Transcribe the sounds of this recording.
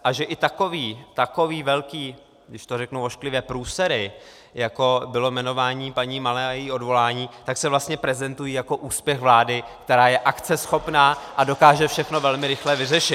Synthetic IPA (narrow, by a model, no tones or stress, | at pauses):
ʔaʒɛʔɪt̪ako̞viːt̪ako̞viːvɛlkiː | ɡdɪʃt̪o̞ɾɛknuwoʃklɪvjɛpɾuːsɛɾɪ | jako̞bɪlo̞mɛno̞vaːɲiːpaɲiːmalɛːajɛjiːo̞dvo̞laːɲiːt̪aksɛvlast̪ɲɛpɾɛzɛnt̪ujiːjako̞ʔuːspjɛxvlaːdɪkt̪ɛɾaːjɛʔakt͡sɛsxo̞pnaːʔado̞kaːʒɛfʃɛxno̞vɛlmɪɾɪxlɛvɪrɛʃɪt̪